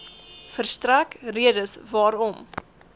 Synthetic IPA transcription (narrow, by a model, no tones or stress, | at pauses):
fərstrækriədəsvɑːɾɔm